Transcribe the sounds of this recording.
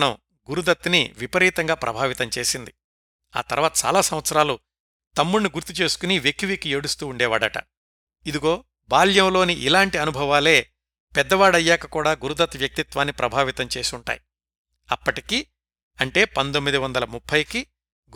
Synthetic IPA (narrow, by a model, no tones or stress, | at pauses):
nɐm | ɡuɾud̪ɐt̪ːnḭʋipɐɾiːt̪ɐŋɡaːpɾʔɐ̰bʱaːʋit̪ɐmt͡ʃe̞ːsind̪i | a̰ːt̪ɐ̰ɾʋaːt̪ɐt͡ʃa̰ːlaːsɐmʋɐt̪sɐɾaːlu | t̪ɐmːulniɡuɾt̪it͡ʃe̞ːsu̥kuniʋjekːiʋikieːɽust̪uːɳɖɛːʋaːɽɐʈɐ̰ | id̪iɡo̞ː | baːljɐmlo̞ːniʔilaːɳʈiɐnubʱɐʋaːle̞ː | pɛd̪ːɐʋaːɽɐjːaːkɐkuːɽaːɡuɾud̪ɐt̪ːʋjɐk̚t̪it̪ʋaːnːipɾɐbʱaːʋit̪ɐmt͡ʃe̞ːsiuɳʈa̰ːj | ɐ̰pːɐʈiki | ɐɳʈe̞ːpɐnt̪omːid̪iʋɐnd̪ɐlɐmupʰːɐjki